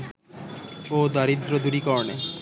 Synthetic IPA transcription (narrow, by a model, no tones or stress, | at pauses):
od̪aɾid̪ɾod̪uɽikɔɾne